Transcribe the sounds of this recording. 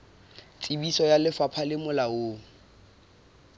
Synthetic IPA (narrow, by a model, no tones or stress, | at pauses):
t͡sʼibisɔjalɪfapʰalɪmʊlaoːŋ̩